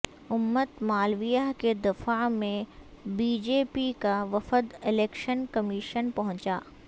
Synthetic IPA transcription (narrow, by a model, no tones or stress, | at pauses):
ʊmːət̪maːlʋijaɦked̪ɪfamẽ | biːd͡ʒeːpikaʋɐfəd̪ɪleːkʃənkɐmiːʃənpɐɦʊ̃t͡ʃaː